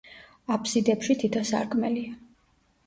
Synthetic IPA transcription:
apʰsid̪ɛpʃit̪ʰit̪ʰasa̰ɾkʼmɛlia

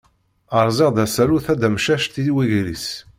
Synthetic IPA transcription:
əɾˤzeʁd̪æsæɾuθæd̪æmʃæʃt̪iwiʝɾis

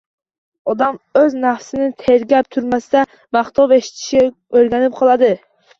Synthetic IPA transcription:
ɔd̪ɑmøznæfsɪnɪt̪ʰeɾɡʲɛp̚t̪ʰuɾmæsɪd̪ɛ | mɑχt̪ɑveʃi̥t̪ʰɪ̥ʃɪ | øɾɡʲænɪp̚qʰɑlˠɨd̪ɪ

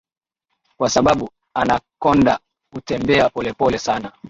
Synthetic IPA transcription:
kwasaɓaɓu | anakɔnda | kutɛmbɛapɔlɛpɔlɛsana

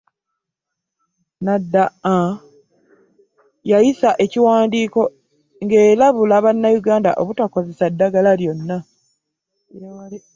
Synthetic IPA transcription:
nadːaa | jajisaʔe̞ciwaːndiːko̞ | ŋɡeːlaβulaβanːajuɡaːnda̰ʔoβutako̞ze̞sadːaɡalaljo̞nːa

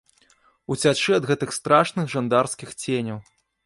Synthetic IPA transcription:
ut͡sʲat͡ʂɨɐd̪ɣɛt̪ɨxst̪ɾaʂnɨɣʐand̪arskʲixt͡sʲenʲɐw

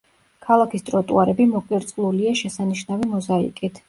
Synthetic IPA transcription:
kʰalˠakʰist̪ʼɾɔt̪ʼṵaɾɛbimɔqʼiɾt̪sʼlˠuliaʃɛsaniʃnavimɔzaḭkʼit̪ʰ

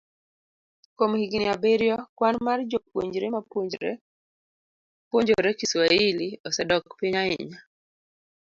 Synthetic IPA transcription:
komhiɡnɪabeɾjɔkwanmard͡ʒopwoɲd͡ʒɾemapd͡ʒ | pwoɲd͡ʒoɾɛkiswailiɔsɛdɔkpiɲaɪ̰ɲa

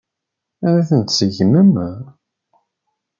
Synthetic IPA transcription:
æɾæθənt̪səʝməm

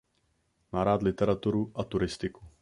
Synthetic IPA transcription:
naɾaːt̪lɪt̪ɛɾat̪uɾuʔat̪uɾɪst̪ɪku̥

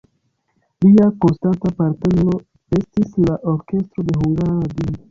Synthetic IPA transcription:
liako̞nstantapaɾtenlo̞ | e̞stislaʔo̞ɾke̞stɾo̞de̞ɦuŋɡaɾaɾadio

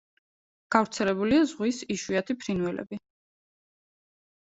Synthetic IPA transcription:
ɡ̥avɾt̪sʰɛlɛbuliazʁwisiʃwiat̪ʰipʰɾinuɛlɛ̰bi

